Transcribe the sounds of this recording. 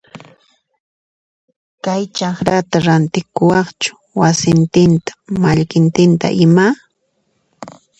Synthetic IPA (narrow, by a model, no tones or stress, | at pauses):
kajt͡ʃɑχɾat̪aɾant̪ɪkʊwɑχt͡ʃʊ̥ | wasɪnt̪ɪnt̪ḁmaʎkɪnt̪ɪnt̪a̰ʔɪma